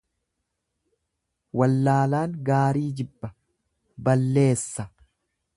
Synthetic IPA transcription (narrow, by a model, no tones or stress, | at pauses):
wɐlːaːlaːŋɡaːɾiːd͡ʒɪbːɐ | bɐlːe̞ːsːɐ